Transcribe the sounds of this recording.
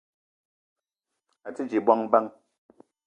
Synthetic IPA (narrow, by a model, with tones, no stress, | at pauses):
a˨t͡si˦d͡ʒi˨ba˦ŋba˦ŋ